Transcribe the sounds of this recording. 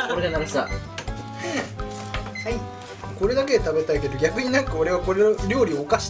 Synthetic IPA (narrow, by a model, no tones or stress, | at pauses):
oɾedanaɾsa̰ | hai | ko̞ɾe̞d̪ak̬e̞t̪abe̞t̪aike̞d̪o̞ɡʲakɯ̟ɲ̟inãŋkao̞ɾe̞βako̞ɾeɾʲo̞ːɾʲiokaɕi̥